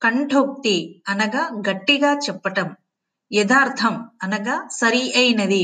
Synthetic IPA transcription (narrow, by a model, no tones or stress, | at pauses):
kɐɳɖʰʱoːk̚t̪iɐnɐɡaɡɐʈːiɡaːt͡ʃɛpːɐʈɐm | jɐd̪aːɾt̪ʰɐmɐnɐɡasɐɾiɐjnɐd̪i